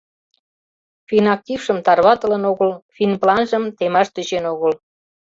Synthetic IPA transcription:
finɑk̚tʲifʃə̆mt̪ɑrβɑt̪ə̆lənoɣəlfinplɑnʒəmt̪emɑʃt̪øt͡ɕenoɣəl

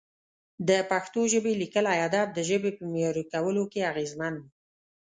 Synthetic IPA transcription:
d̪əpaxt̪oʒəbelikəlajɑd̪ɑb̚d̪əʒəbepəmjɑɾikawəlokeaɣezman

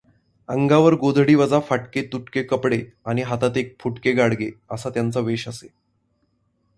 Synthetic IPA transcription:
əŋɡaʋəɾɡod̪ʱɽiːʋəd͡zafaʈket̪uʈkekəpɽe | aɽ̃iɦat̪at̪ek̚fʰuʈkeɡaɽɡeəsat̪jant͡səʋeɕəse

